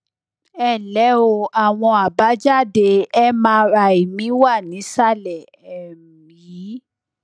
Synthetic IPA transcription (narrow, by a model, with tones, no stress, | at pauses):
ɛ˦˨lɛ˨˦o˧˨a˨w̃ɔ̃˧a˨ba˨˦d͡ʒa˦˨de˧ɛ˦mãː˧˦ɾa˧i˨mĩ˨˦wa˦˨nĩ˨˦sa˦˨lɛ˨ | ɛ˨ | mĩ˨˦